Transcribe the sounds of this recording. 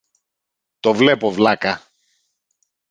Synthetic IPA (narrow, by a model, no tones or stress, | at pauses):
t̪o̞vle̞povlɐkɐ